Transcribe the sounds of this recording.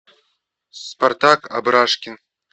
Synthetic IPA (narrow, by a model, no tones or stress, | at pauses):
spart̪aka̰bɾaʂkʲɪn